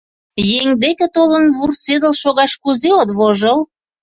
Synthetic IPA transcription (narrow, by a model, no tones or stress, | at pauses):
jeŋd̪ekĕt̪olənβursed̪ə̆lʃoɣɑʃkuzeot̪βoʒəl